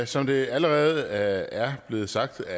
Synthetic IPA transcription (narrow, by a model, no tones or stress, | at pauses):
sɒ̽md̥e̝æləʁɛːð̞̩ˠæɐb̥le̝ːð̞̩ˠsɑ̈ɡ̥̚d̥æ